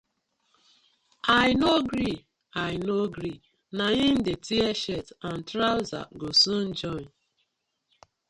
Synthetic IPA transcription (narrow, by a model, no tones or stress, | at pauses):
ajnoɡɾi | ajnoɡɾi | naɦĩn̩detʰiɛʃɛtan̩tɾaʊza̰ɡosũn̩d͡ʒɔ̃